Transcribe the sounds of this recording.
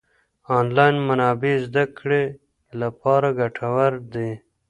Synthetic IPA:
ɑːnlɑːjnmanɑːbeːzd̪akɽe | lapɑːɾaɡaʈʰawaɾd̪e

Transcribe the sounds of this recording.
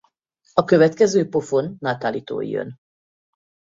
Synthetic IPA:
ɒkøvɛt̪kɛzøːpo̞fo̞nːaːt̪aːliːt̪o̰ːj̰jø̰n

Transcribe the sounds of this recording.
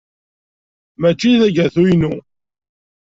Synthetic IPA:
mæt͡ʃːiðæʝæθujnu

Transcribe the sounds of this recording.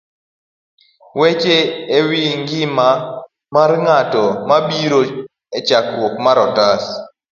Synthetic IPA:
wet͡ʃeːwiŋɡɪma | marŋatɔmabiɾo | et͡ʃakwokmaɾɔtas

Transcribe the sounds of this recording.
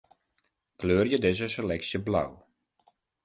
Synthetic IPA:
kløːrjədɪzəsəlɛksjəbla̰w

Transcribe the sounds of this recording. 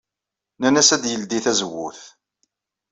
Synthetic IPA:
nænæsæd̪jəld̪iθæzəwːʊ̰θ

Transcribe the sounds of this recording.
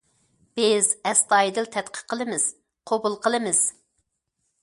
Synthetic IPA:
b̥ɪzɛst̪ɑjid̪ɪlt̪ʰɛt̪qʰə̥qʰːəlˠɨmɪz̥ | qʰobulˠqʰəlˠɨmɪz̥

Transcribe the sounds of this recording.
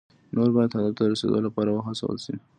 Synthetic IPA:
noɾbɑjad̪had̪ɑt̪aəɾasḛd̪olapɑɾawəxasa̰wə̰lʃi

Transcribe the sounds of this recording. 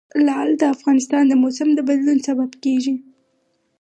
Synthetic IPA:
lɑld̪əafɣɑnɪst̪ɑnd̪əmosamd̪əbad̪lunsababkeʒi

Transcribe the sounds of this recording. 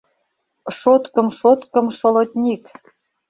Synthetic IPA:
ʃot̪kə̆mʃot̪kɤ̆mʃɤ̆lɤt̪ʲnʲik

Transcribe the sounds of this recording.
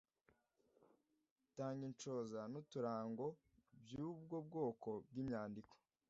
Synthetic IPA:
taːŋɡint͡ʃo̞ːzanutuɾaːŋɡo̞ | bjuːbɡob̚ɡo̞ːko̞b̚ɡimɲaːndiko̥

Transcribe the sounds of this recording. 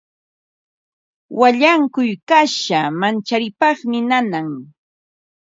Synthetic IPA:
waʎaŋkʊjkaʃamant͡ʃaɾɪpɑχmɪnanaŋ

